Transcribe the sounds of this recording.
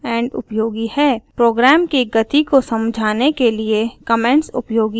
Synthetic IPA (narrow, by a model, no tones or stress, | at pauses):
ɛ̃ːɳɖʊ̰pjoːɡihɛːpɾoːɡɾɛːmkiɡɐt̪ikosɐ̃md͡ʒʱaːnekeliekɐmɛ̃ɳʈsʊ̰pjoːɡi